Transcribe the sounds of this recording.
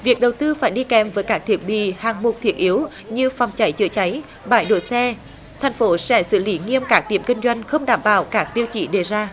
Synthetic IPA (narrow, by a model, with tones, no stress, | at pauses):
vi˨˩ək̚ɗə˨˩wt̪ɨ˧faː˧˩jɗi˧kɛ˨˩mvəː˨˦jkaː˦˥k̚t̪ʰi˨˩ət̚ɓḭ˧˨haː˨˩ŋmo˨˩t̚t̪ʰi˨˦˩ət̚ʔi˨˦əw | ɲɨ˧fa˨˩wŋ͡mt͡ɕa˨˦jt͡ɕɨ̰˧˩ət͡ɕa˨˦j | ɓa̰ː˧˩˨jɗo˧˩jsɛ˧ | t̪ʰɛ˨˩jŋ̟fo˨˦sɛ̰˧˥sɨ̰˧˩li˨˦ŋi˧əmkaː˦˥k̚ɗḭ˧˩əmkï˧ŋ̟zwa˧jŋ̟xə˧wŋ͡mɗaː˧˩mɓa̰ː˧˩wkaː˦˥k̚t̪i˧əwt͡ɕḭ˧˩˨ɗe˧˩zaː˧